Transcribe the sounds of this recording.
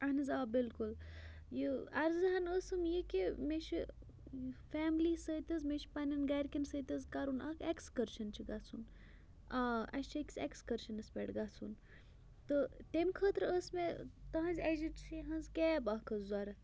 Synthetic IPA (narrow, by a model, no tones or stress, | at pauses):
ɐnɐzaːbilkul | jiɐɾzɐɦɐnəsɨmjikimeʃi | fæːmlisət̪ʲɐzmeʃʰpanʲɐnɡaɾkʲinsət̪ʲɐzkaɾuna̰kʰekskəɾʃɐnt͡ʃʰiɡat͡sʰun | aɐ̰st͡ʃʰɐkʲsekskəɾʃɐnɐspʲeʈɡat͡sʰun | t̪ət̪emkʰəːt̪ɾəsmet̪ɐɦɐ̃nzʲɐd͡ʒiʈʃʰiɦɐnzkʲɛːbakəzzaɾɐ